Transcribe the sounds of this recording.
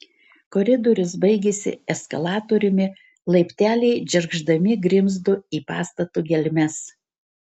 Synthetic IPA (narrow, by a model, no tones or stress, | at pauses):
kɔɾʲɪd̪ɔɾʲʊsbɐɪɡʲesʲɪ̰ɛskɐlˠɑːt̪oɾʲʊmʲɪ | lˠɐɪpʲt̪ʲæːlʲɛɪd͡ʒʲɛɾɡʒd̪ɐmʲɪɡɾʲɪmzd̪ʊiːpɑ̰ːst̪ɐt̪uːɡʲɛlʲmʲɛs